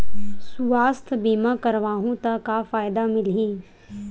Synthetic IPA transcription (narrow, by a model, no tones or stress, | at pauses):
suaːst̪ʰbiːmakɐɾʋaːɦũt̪ɐkafaːjd̪amɪlɦĩː